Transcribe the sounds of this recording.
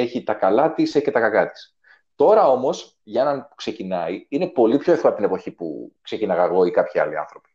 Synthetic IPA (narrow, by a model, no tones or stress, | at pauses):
e̞çit̪ɐkɐlɐt̪isece̞t̪ɐkɐkɐt̪i̥s | t̪o̞ɾɐo̞mo̞s | ʝɐe̞nɐnpu̥kse̞cinɐiine̞po̞lipçoeθoɐpot̪ine̞po̞çipṵkse̞cinɐɣɐɣo̞ikɐpçiɐ̰liɐ̰nθɾo̞pi̥